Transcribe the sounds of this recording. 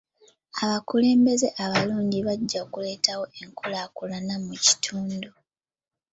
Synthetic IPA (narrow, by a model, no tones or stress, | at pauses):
aβakule̞ːmbe̞ze̞ʔaβaluːɲɟiβaɟːaokule̞ːtawo̞eŋkʰolakulanamuci̥tʰuːndu